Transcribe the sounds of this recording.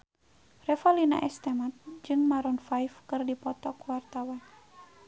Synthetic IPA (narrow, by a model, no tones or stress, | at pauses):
rɛfɔlina̰ʔɛst̪ɛmat̪̚d͡ʒɨŋmaɾɔnfajfkɨrdipɔt̪ɔkuwart̪awan